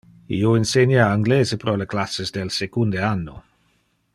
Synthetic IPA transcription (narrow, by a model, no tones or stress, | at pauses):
ḭoinsenjaːŋɡleːzepɾoleklasezd̪elsekund̪eanːo̰